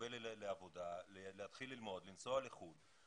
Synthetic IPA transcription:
elleavo̞daleleat̪χilːilmo̞d̪limt͡so̞aleχud

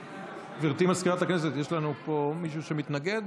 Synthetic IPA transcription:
viʁt̪imaskiʁat̪aknes̬et̪jeʃlanupo̞miʃ̬uʃe̞mit̪naɡe̞d̪

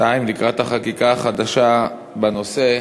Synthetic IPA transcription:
aimlikʁat̪aχakikaːχad̪aʃa | bano̞se̞

